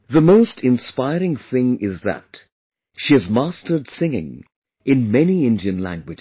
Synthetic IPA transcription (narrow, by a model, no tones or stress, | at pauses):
ðəmoʊstʰɪ̃nspaɪɾɪ̃ŋθɪ̃ŋɪzðə̰t | ʃiɨzmastə˞dsɪ̃ŋɪ̰̃ŋ | ɨ̃nmɛniɪ̃ndiɨ̃nlæ̰̃ŋɡwɪd͡ʒ